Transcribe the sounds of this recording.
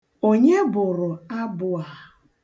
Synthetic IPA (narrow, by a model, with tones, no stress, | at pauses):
o˦ɲe˦bʊ˨ɾʊ˨a˦bʊ˨a˨